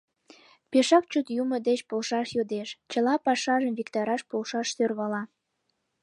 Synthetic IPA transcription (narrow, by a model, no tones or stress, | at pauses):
peʃɑk̚t͡ɕut̪juməd̪et͡ɕpolʃɑʃjod̪eʃt͡ɕəlɑpɑʃɑʒəmvikt̪ɑɾɑʃpolʃɑʃsørβɑlɑ